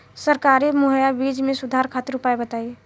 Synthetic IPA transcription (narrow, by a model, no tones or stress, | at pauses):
səɾkaɾimuɦjabid͡ʒmẽsud̪ʱaɾkʰat̪iɾupaebət̪aːi